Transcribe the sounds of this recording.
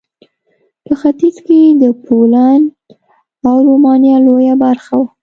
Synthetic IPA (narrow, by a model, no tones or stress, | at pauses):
pəxat̪izked̪əpʰolan | awɾomɑnjɑlojabaɾxawa